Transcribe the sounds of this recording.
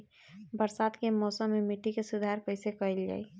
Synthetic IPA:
bəɾsat̪kemɔːsəmːemiʈːikesud̪ʱaɾkəɪsekəld͡ʒa̰ːi

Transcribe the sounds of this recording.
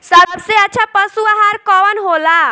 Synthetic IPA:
səbseətːt͡ʃʰapəsuaɦaɾkɔʋənɦola

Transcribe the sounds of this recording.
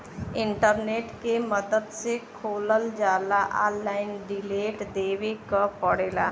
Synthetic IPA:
ɪ̃ɳʈəɾneːʈkeməd̪əd̪sekʰoːləld͡ʒaːlaʔaːlːaːɪnɖɪleːʈd̪eːwekapəɽeːlaː

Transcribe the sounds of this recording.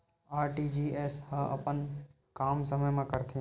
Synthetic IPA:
aːɾʈiːd͡ʒiːeːsɦəʔɐ̰pən | kaːmsəməjmãkəɾt̪ʰi

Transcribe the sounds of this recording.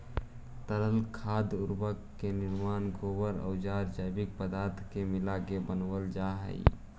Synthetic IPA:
t̪əɾəlkʰaːd̪ʊɾbəkːenɪɾmaːnɡoːwəɾə̰ʊd͡ʒaːɾd͡ʒəjbɪk̚pəd̪aːɾt̪ʰkemɪlaɡebənʋəld͡ʒaɦə̰ḭ

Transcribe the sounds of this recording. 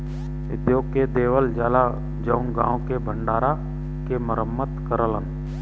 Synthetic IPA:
ɪd̪joːɡked̪eːʋəld͡ʒaːla | d͡ʒəʊŋɡã̰ːõkebʱəɳɖaːɾa | keməɾəmːət̪kəɾəlɦən

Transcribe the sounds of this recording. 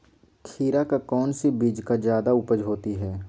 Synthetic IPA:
kʰiːɾakakɔːnsibiːd͡ʒkazjaːd̪aʊpəd͡ʒɦoːt̪iɦɛː

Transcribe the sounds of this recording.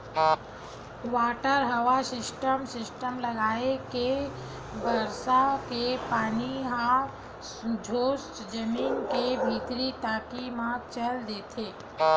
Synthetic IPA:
ʋaːʈəɾɦəʋasɪsʈəmsɪsʈəmləɡaːeke | bəɾsakepaːniɦa | d͡ʒʱoːsd͡ʒəmiːnkebʱiːt̪ɾit̪aːkimãt͡ʃəld̪eːt̪ʰeː

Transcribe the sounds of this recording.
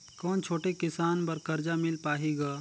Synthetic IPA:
kɔːnt͡ʃʰoːʈekɪsaːnpɐɾkɐɾd͡ʒamɪlpaːɦiɡaː

